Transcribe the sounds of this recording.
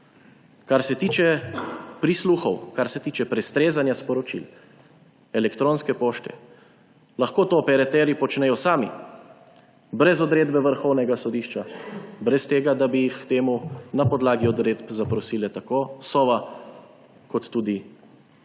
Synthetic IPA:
kaɾsɛt̪iːt͡ʃɛpɾisluxɔwkaɾsɛt̪iːt͡ʃɛpɾɛst̪ɾeːzanjaspɔɾɔt͡ʃḭl | ɛlɛkt̪ɾoːnskɛpoːʃt̪ɛ̰ | laxkoːt̪oːpɛɾat̪ɛːɾipɔt͡ʃnɛjɔsaːmḭ | bɾɛzɔd̪ɾeːd̪bɛʋəɾxɔwnɛɡasɔd̪iːʃt͡ʃabɾɛst̪eːɡad̪abijixt̪eːmunapɔd̪laːɡiɔd̪ɾeːd̪pzapɾɔsiːlɛt̪akoːsɔʋa | kɔt̪ːuːd̪i

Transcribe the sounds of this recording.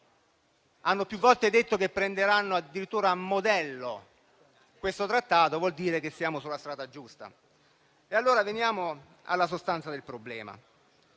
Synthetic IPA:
anːopjuvːɔlt̪ed̪et̪ːokepːɾend̪eɾanːoad̪ːiɾit̪ːuːɾaːmːod̪ɛlːo | kwest̪ot̪ɾat̪ːaːt̪ovwɔld̪iːɾekesːjaːmosulːast̪ɾaːd̪ad͡ʒust̪a̰ | ealːoːɾavenjaːmo | a̰lːas̬ost̪ant̪sad̪elpɾoblɛ̰ːma̰

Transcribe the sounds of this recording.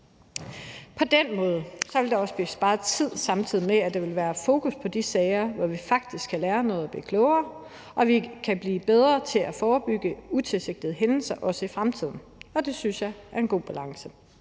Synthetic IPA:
pʰɒ̽d̥en̰mɔ̽ːð̞̩ˠəsɒ̽ʋe̝ld̥ɑ̈ɒ̽səb̥isb̥ɑ̈ːð̩ˠt͡sʰið̞̰ˠsɑ̈mt͡sʰið̰ˠimeæd̥eʋe̝lʋæːɐfo̝ːkʰuspʰɒ̽d̥isɛɪɐʋɒʋifɑ̈ɡ̥̚d̥isɡ̥kʰːælæːɐnɔ̽ːð̞̩ˠæb̥lḭːkʰlɔʊɐː | ʔɒ̽ʋikʰæb̥liːb̥eð̞ˠʁɐt͡sʰe̝læfɒːb̥yɡ̥əut͡sʰe̝lse̝ɡ̥̚d̥ð̩ˠɦenl̩sɐʔɒ̽səifʁamt͡sʰið̰ˠn̩ɒ̽d̥e̝synsjɑ̈ɪæɐe̝nɡ̥o̝̰ːb̥ælɑ̈ŋsə

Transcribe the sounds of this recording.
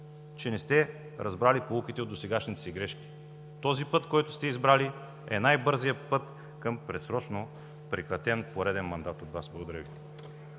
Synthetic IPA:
t͡ʃɛnɛst̪ɛ | ɾʔɐzbɾalipoukit̪ɛod̪d̪osɛɡaʃnit̪ɛ̥siɡɾɛʃk̟ʲi̥ | t̪ɔzipɤt̪kɔjt̪ʊst̪ɛizbɾali | ɛ̰najbɤɾzijəpɤt̪ | kɤmpɾɛsɾɔt͡ʃno | pɾɛkɾɐt̪ɛnpoɾɛd̪ɛnmɐnd̪at̪ot̪vasblˠɡod̪ɐɾəvit̪

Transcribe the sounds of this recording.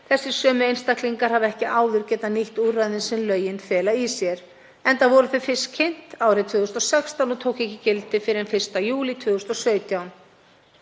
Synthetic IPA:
θɛsːɪ̥sœːmʏejnst̪ahkliŋkaɾ̥havɛhcɪʔaːwðʏɾcɛːt̪aniht̪urajðɪnsɪnlœːɥjɪnfɛːlaisjɛɾ̥ | ɛnt̪avɔɾʏθʏfɪscʰen̥t̪awɾɪt̪ʰvʏːɣʏst̪ɔsɛkst̪awnɔt̪ʰoːwkɛhcɪcɪlt̪ɪfɪɾɪɾɛnfɪr̥st̪ajuːlit̪ʰvʏːɣʏst̪ːɔsœːɥt̪jawn

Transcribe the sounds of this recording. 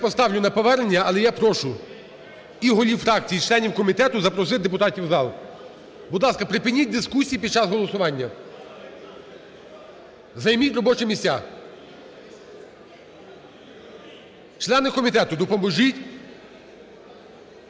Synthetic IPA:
jpɔst̪ɑwlʲʊnɐpɔʋɛɾnʲːɐɐlˠɛjapɾɔʃʊ | iɦɔlʲiwfɾɑkt͡sʲijit͡ʃlˠɛnʲiwkɔmʲit̪ɛt̪ʊzɐpɾɔsɪd̪epʊt̪ɑtʲiwzɑlˠ | bʊd̪lˠɑskɐpɾɪpɪnʲit̚ʲd̪ɪskusʲijipʲid̪̚t͡ʃɑzɦɔlˠɔsʊʋɑnʲːɐ | zɐjmʲitʲɾɔbɔt͡ʃɛmʲisʲa̰ | t͡ʃlˠɛnɪkɔmʲit̪ɛt̪ʊd̪ɔpɔmbɔʒʲitʲ

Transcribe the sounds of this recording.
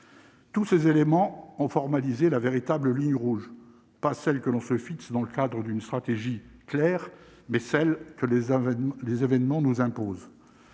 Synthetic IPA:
t̪usezelemɑ̃ɔ̃fɔʁmalizelaveʁit̪abləliɲʁuʒ | pasɛlkəlɔ̃səfiksd̪ɑ̃ləkad̪ʁəd̪ynst̪χat̪eʒiklɛːʁ | mɛsɛlkəllezevɛnmɑ̃nuzɛ̃poːz

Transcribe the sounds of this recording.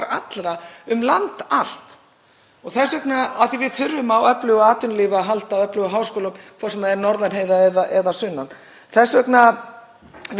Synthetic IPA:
ɾa̰t̪lɾaʏmlant̪al̥t̪ | ɔɣθɛsvœknaaθivɪðθʏɾvʏmawœplʏɣaːt̪ʏnliːvaɦalt̪awœplʏɣɔɦaːwskoːlamkʰvasɛmaðɛɾnɔɾðanɦeːjðaɛðaʔɛðasʏnːan | θɛsːvœkna

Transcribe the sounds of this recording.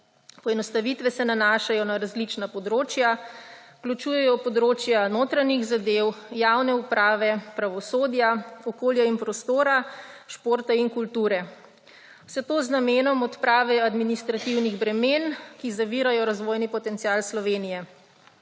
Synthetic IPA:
pɔɛnɔst̪aʋit̪ʋɛsɛnanaːʃajɔnaɾazlit͡ʃnapɔd̪ɾoːt͡ʃja | klut͡ʃuːjɛjɔpɔd̪ɾoːt͡ʃjanoːt̪ɾaniɣzad̪ewjawnɛupɾaːʋɛpɾaʋɔsoːd̪jaɔkoːljainpɾɔst̪oːɾaʃpoːɾt̪ainkult̪uːɾɛ | wsɛt̪oːznameːnɔmɔt̪pɾaːʋɛad̪minist̪ɾat̪iwniɣbɾɛmeːnkizaʋiːɾajɔɾazʋoːjnipɔt̪ɛnt̪siaːlslɔʋeːnijɛ

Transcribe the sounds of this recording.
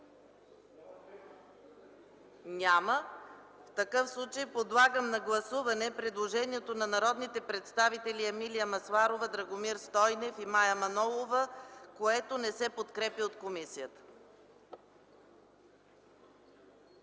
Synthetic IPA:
nʲamə | ft̪ɐkɤfslˠut͡ʃəjpod̪lˠaɡəmnɐɡlˠɐsuvɐnɛpɾɛd̪lˠoʒɛniɛt̪onɐnɐɾɔd̪nit̪ɛpɾɛt̪st̪avit̪ɛlʲiɛmilijɐmɐslˠaɾovəd̪ɾɐɡomiɾst̪ɔjnɛfimajɐmɐnɔlˠovəkoɛt̪onɛsɛpot̪kɾɛpiot̪komisijət̪ə̥

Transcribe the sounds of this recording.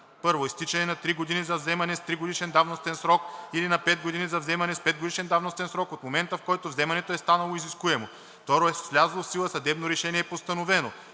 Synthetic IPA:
pɤɾvoist̪it͡ʃɛnɛnɐt̪ɾiɡod̪inizɐvzɛmɐnɛst̪ɾiɡod̪iʃɛnd̪avnost̪ɛnsɾɔkilinɐpɛd̪ɡod̪inizɐvzɛmɐnɛspɛd̪̚ɡod̪iʃɛnd̪avnost̪ɛnsɾɔkot̪momɛnt̪əfkɔjt̪ovzɛmɐnɛt̪oɛst̪anɐlˠoiziskuɛmo | ft̪ɔɾoɛslʲazɐlˠofsilˠəsɐd̪ɛbnoɾɛʃɛniɛːpost̪ɐnovɛno

